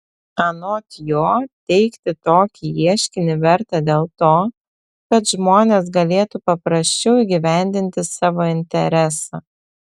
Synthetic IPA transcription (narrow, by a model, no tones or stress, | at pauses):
ɐnoːt̪ʲjoːt̪ʲɛɪkt̪ʲɪt̪oːkʲiiɛʃʲkʲɪnʲɪʋʲɛɾt̪ɑd̪ʲeːlˠt̪oː | kɐt̪ʒmoːnʲeːs̬ɡɐlʲeːt̪upɐpɾɐsʲt͡ʃʲɛʊiːɡʲɪʋʲæˑnʲd̪ʲɪnʲt̪ʲɪsɑːʋoːɪnʲt̪ʲɛɾʲæsɑ̰ː